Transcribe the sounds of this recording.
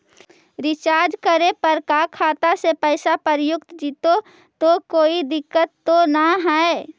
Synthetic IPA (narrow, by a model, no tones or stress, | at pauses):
ɾɪt͡ʃaːɾd͡ʒkəɾepəɾkakʰaːt̪asepɛɪsapəɾjʊkt̪d͡ʒit̪o | t̪okoːid̪ɪkːət̪ːonaɦɛe